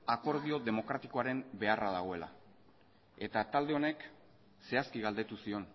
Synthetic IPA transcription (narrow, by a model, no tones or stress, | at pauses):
ako̞ɾð̞io̞ðe̞mo̞kɾat̪iko̞aɾe̞mbe̞araðaɣ̞o̞e̞la̰ | e̞t̪at̪ald̪e̞o̞ne̞k | se̞askiɣald̪e̞t̪usio̞n